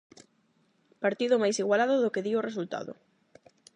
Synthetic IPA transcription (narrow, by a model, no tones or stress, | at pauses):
paɾt̪iðʊmajsiɣwalaðʊðʊkeðioresult̪a̰ðʊ̰